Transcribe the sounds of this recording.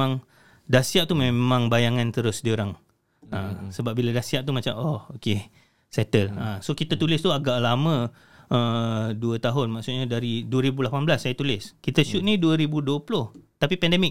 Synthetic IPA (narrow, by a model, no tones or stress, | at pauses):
ãŋ | dasiaʔ̚t̪umẽmãŋbajaŋant̪əɾʊsdioɾaŋ | əsəbap̚biladasiaʔ̚t̪umat͡ʃamooke | sɛt̪ələsokit̪at̪ulɪst̪uaɡaʔlamə̃ | ʔəduət̪aɦʊnmaʔksut̪̚ɲadaɾiduəɾibulapanblasːajat̪ulɪskit̪əʃʊʔ̪̚niduəɾibuduəplʊht̪apipɛndɛmɪk̚